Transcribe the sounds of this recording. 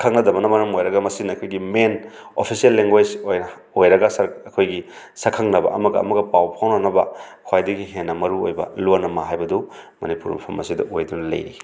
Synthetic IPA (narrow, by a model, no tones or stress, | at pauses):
kʰɐŋnɐdɐbɐnɐmɐɾɐmojɾɐɡamɐsinɐkʰojɡimenopʰisielːeŋɡwed͡ʒojɐ | ojɾɐɡasɐɾɐkʰojɡi | sɐkʰaŋnɐbɐ̰ɐmɐɡɐ̰ːmɐɡɐpawpʰawnanɐbɐkʰwajdɐɡiɦenːɐmɐɾuojbɐ̰lonɐmaɦajbɐdumɐnipuɾḭmpʰɐmɐsidɐ̰ʔojdunɐlɐ̰jḭ